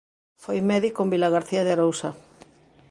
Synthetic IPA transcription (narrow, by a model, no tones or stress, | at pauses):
fojmɛðikombilaɣaɾθiaðeaɾowsa